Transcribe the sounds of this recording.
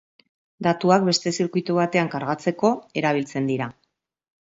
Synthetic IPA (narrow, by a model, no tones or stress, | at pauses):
d̪at̪uak̚be̞st̪e̞siɾkuit̪uβ̞at̪e̞aŋkaɾɣat͡se̞ko̞e̞ɾaβ̞ilt͡se̞nd̪iɾa